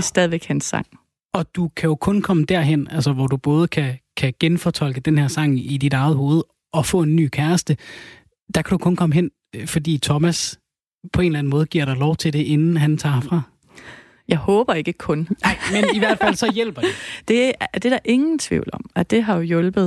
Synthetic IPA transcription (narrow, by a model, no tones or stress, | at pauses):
sd̥ɛð̞ˠʋeɡ̥hænsːɑ̈ŋ̰ | ɒ̽d̥ukʰæjo̝kʰɔ̽nkʰɒ̽məd̥æɐ̰ɦen̰ælsɐʋɒd̥ub̥ɔ̽ːð̞̩ˠəkʰækʰæɡ̥enfɒt͡sʰɒ̽l̰ɡ̥əd̥enheɐ̰sɑ̈ŋ̰id̥id̥ɑ̈ɪð̩ˠɦo̝ːð̞̩ˠ | ɒ̽fɔ̰̽ːe̝nːy̰ːkʰæɐsd̥ə | d̥ɑ̈kʰæd̥ukʰɔ̽nkʰɒ̽məɦen̰ | fɒ̽dḭːt͡sʰɒ̽mæs | pʰɒ̽e̝ːnlæn̩mɔ̽ːð̞̩ˠɡiɐ̰ɾ̥ɑ̈ɪlɒʊt͡sʰe̝lde̝ʔe̝nn̩ɦænt͡sʰɑ̰̈ːfʁɑ̈ | jɑ̈ɪhɔ̽ːb̥ɐe̝ɡ̥əkʰɔ̽nɪmeniʋæɐd̥fæl̰sɒ̽jel̰b̥ɐd̥ed̥e̝d̥e̝ɾɑʔe̝ŋn̩t͡sʰʋḭʊl̩ɒ̽mæd̥e̝ɦɑ̈jo̝jɔlb̥ð̩ˠ